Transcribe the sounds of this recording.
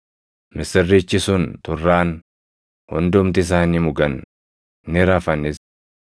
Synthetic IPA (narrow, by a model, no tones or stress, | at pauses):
mɪsɪrːit͡ʃːɪsʊnt̪ʊrːaːn | hʊ̰nd̪ʊmt̪ɪɪs̬aːniːmʊɡɐnː | ɪɾafɐnɪs